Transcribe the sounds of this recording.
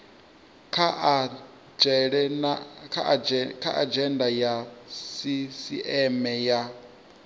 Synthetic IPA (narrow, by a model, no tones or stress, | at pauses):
kʰa | d͡ʒɛɺɛnakʰakʰaʔad͡ʒɛndajasisiʔɛmɛja